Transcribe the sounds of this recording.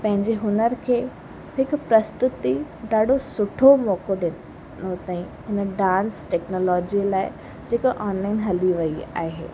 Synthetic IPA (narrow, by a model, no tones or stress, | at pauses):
pɐ̃ɦɪ̃ɲd͡ʑeɦʊnəɾkʰeː | hɪkʊpɾɐst̪ʊt̪iɗaːɗʱosʊʈʰomɔːkoɗɪn | not̪aːĩ | ɦɪnəɖãːnsʈɛːknoːlɔːd͡ʑilaːɪ | d͡ʑeːkaʔɔːnlaːɪnɦɐliʋɐia̰ːɦḛː